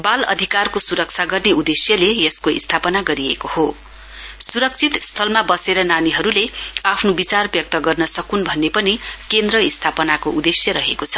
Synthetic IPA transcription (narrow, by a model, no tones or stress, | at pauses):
balʌ̰d̪ʱikarkosuɾʌk̚t͡sʰaɡʌrneud̪esjʌlejʌskoḭst̪ʰapʌnaɡʌɾiḛkoho | suɾʌk̚t͡sʰit̪st̪ʰʌlmabʌseɾʌnaniɦʌɾuleapʰnobit͡sarbjʌk̚t̪ʌɡʌrnʌsʌkunbʱʌnːepʌnikend̪rʌist̪ʰapʌnakoʔud̪esjʌɾʌɦekot͡sʰʌ̥